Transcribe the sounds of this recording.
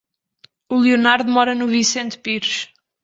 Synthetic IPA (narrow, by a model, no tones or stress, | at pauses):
ulˠiunaɾðumɔɾɐnuvĩsẽnt̪piɾʃ